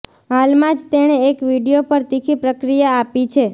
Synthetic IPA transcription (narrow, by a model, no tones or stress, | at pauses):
ɦalmãd͡ʒt̪eɽ̃eekʋiɽijopəɾt̪ikʰipɾəkɾijaːpit͡ʃʰe